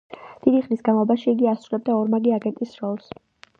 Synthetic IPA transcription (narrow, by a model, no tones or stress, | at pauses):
d̪̥id̪iχnisɡanˠɔbaʃiːɡiasɾulɛb̚d̪aɔɾmaɡiaɡɛnt̪ʼisɾɔlˠs